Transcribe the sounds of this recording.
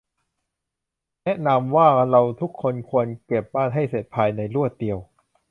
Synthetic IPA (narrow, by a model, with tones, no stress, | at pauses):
nɛ˦˥ʔna˧mwaː˥˩ɾa˧wt̪ʰu˦˥kʰːo˧nkʰu˧ənke˨˩p̚baː˥˩nɦa˥˩jse˨˩t̪̚pʰaː˧jna˧jɾu˥˩ət̪̚di˧əw